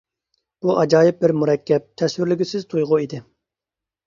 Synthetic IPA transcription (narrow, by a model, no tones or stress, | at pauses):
b̥uʔɑd͡ʒɑːjɪp̚bɪɾmuɾɛkʲːɛp̚t̪ʰɛswɪɾlyɡʲysɪzt̪ʰujʁʊid̪ɪ